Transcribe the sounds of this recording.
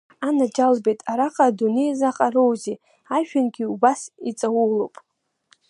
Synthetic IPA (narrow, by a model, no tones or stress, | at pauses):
anad͡ʒalbejtʼaɾaqʼaːdune̞jzaqʼarowzi | aʒᶣanɡʲiubasit͡sʼawulowpʼ